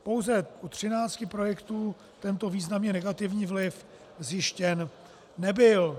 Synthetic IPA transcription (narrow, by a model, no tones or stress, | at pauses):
po̞wzɛut̪r̝̥ɪnaːt͡scɪpɾo̞jɛkt̪uː | t̪ɛnt̪o̞viːznamɲɛnɛɡat̪ɪvɲiːvlɪf | zjɪʃcɛnː | ɛbɪl